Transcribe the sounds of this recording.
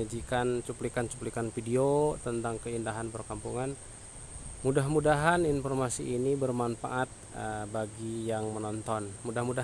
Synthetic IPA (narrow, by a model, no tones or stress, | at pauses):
ad͡ʒikant͡ʃuplikant͡ʃu̥plikanfidiot̪ənt̪aŋkəindaɦanpərkampuŋan | mudaɦmudaɦaninfɔrmasiʔːnibərmanfa̰ʔat̪̚əbaɡijaŋmənɔnt̪ɔnmudahmuda